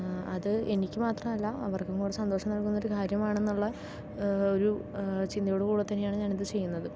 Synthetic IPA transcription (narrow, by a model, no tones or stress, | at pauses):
ɐðɨenikʲːɨmaːt̪rɐmɐlːɐɐʋɐrkɐŋːuːɽesɐnd̪oːʂɐmnɐɭkunːo̞ɾukʰaːɾjɐmaːɳe̞nːuɭːɐ | o̞ɾu | t͡ɕind̪ɐjoːɽekuːɽɐt̪ːɐnːejaːɳɨɲaːniðɨt͡ɕe̞jːunːɐðɨ